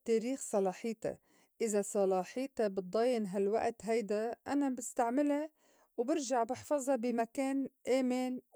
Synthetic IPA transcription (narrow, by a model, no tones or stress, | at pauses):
t̪ːeːɾiːxsˤɑlɑːħiːt̪a̰ | ʔɪzasˤɑlɑːħiːt̪abɨt̪̚d̪ˤɑːjɪnɦalwa̰ʔt̪ɦajd̪aʔanabɪst̪aʕmɪla | wbɪɾʒaʕbɪħfɑzˤɑbɪmakeːnʔaːmɪn